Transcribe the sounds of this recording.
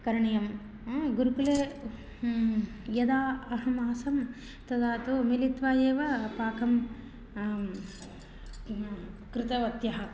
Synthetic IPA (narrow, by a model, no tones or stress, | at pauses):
kɐɾɐɳɐjɐm | ɡuɾukuleː | jɐd̪aːɐɦɐmaːsɐm | t̪ɐd̪aːt̪umilit̪ʋaːjeːʋɐpaːkɐm | kɾɪt̪ɐʋɐt̪jɐɦɐ̆